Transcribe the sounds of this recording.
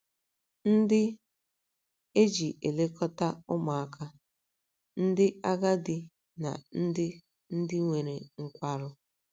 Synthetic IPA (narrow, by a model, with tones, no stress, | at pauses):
n̩˦dɪ˦ | e˦d͡ʒi˨ʔe˨le˦kɔ˦ta˦ʊ˦ma˨a˦ka˦ | n̩˦dɪ˦a˦ɡa˦dɪ˨ | na̰˨n̩˦dɪ˦ | n̩˦dɪ˦ŋʷe˨ɾe˨ŋ̩˦kʷa˦ɾʊ˦